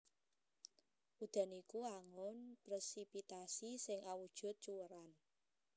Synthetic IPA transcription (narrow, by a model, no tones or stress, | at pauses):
ʔud̪̥a̤nikuaŋʊnpɾɛsipit̪asisɪŋʔawud̥ʒ̥ʊ̤t̪̚t͡ʃuwəɾan